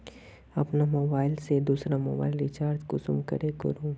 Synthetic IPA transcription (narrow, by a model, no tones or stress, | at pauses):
ɐpnamoːbaːɪlsed̪uːsɾamoːba̰ːɪlit͡ʃaːɾt̪kʊsʊmkɐ̰ɾekɐ̰ɾũː